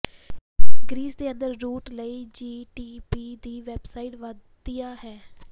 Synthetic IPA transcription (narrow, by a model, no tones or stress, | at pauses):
ɡɾiːsd̪eːə̃nd̪əɾːuːʈləiːd͡ʒiːʈiːpiːd̪iːʋɛbsaːɪʈʋəd̪ijaːɦɛː